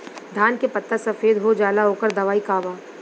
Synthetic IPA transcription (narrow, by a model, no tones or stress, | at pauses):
d̪ʱaːnkepɐt̪ːasɐfeːd̪ɦod͡ʒaːlaɦoːkəɾd̪ɐʋaːikaːʋaː